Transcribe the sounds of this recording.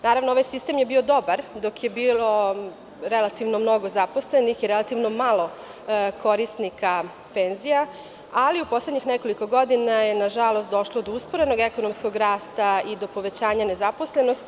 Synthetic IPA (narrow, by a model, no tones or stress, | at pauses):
naːɾaʋnooʋajsist̪emje̞biːo̞d̪o̞baɾd̪o̞kje̞biːlo̞ | ɾe̞lat̪iʋno̞mno̞ɡo̞zapo̞sle̞nixiɾelˠat̪iʋno̞malˠo̞ | ko̞ɾist̪nika | pe̞nzija | aliupo̞sledɲixneko̞liko̞ɡo̞d̪inajenaʒalˠo̞st̪d̪o̞ʃlˠod̪ouspoɾeno̞ɡe̞konomsko̞ɡɾaːst̪aid̪o̞po̞ʋe̞t͡ɕaːɲane̞zapo̞sle̞nost̪